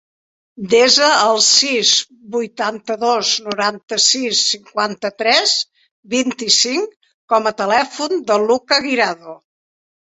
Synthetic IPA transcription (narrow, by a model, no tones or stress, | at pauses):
d̪ezəːlˠsiz | bujt̪ant̪əðoznuɾant̪əsisːiŋkwant̪ət̪ɾɛz | bint̪isiŋ | kɔmət̪əlɛfund̪əlukəɣiɾaðu